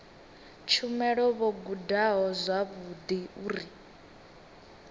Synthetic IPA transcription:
t͡ʃʰumɛɺɔβɔɡudaɦɔzʷwaβud̪iuːɾi

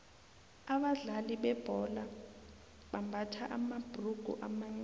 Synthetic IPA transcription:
aɓaɮaliɓɛb̥ʱɔla | ɓambʱatʰaʔamab̥ʱruɡ̥ʱṵʔamaŋ͡ǀ

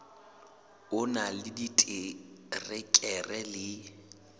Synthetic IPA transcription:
ʊnalɪditʼɪrɪkʼɛrɛlɪ

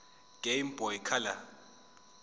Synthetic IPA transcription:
ɡ̥ʱʼejmbʱɔjikʰala̰

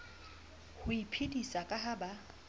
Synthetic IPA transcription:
hʊipʰedisakʼaɦaba

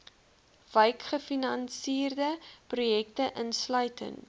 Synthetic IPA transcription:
vəjkχəfinɐnsiːrdəprujɛktəʔənslœɥtə̰ŋ

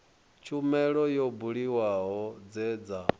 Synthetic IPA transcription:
t͡ʃʰumɛɺɔjɔbuɺiwaɦɔd͡zɛd͡za

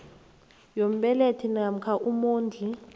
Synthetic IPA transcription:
jom̩ɓɛletʰinam̩kʰaʔumoːnd͡ɮʱi

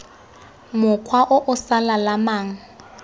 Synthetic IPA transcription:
mʊkʰwaʔʊʔʊsalalamaːŋ̩

